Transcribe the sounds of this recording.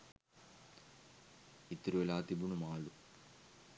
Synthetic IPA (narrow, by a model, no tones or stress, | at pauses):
it̪ɾuʋelaːt̪ibunumaːɭu